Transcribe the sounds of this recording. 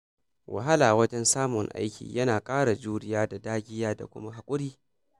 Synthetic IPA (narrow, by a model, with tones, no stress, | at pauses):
wʔa̰˨ɦa˦la˨wɐ˦d͡ʒɛ˦nsaː˦mʊ˨ŋʔa̰˦jkʲʰḭː˨jɐ˦naː˨kʼaː˦ɽa˨d͡ʒuː˦ɽɪ˦jaː˦da˨daː˦ɡʲɪ˦jaː˦da̰˨kʷʊ̰˦ma˦ɦa˨kʷʼʊ˦ɽiː˦